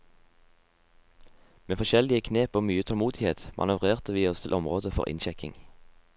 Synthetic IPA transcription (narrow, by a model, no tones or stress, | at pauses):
meːfɔʃɛlɪəkʰneːpoːmyːət̪ʰɔlmuːd̪ɪheːt̪mʔɑ̰nʉʋʁeːʁt̪əʋiːɔst̪ʰɪlʔɔmʁoːd̪əfɔ̰ʁʔɪ̰nʃɛkɪ̰ŋ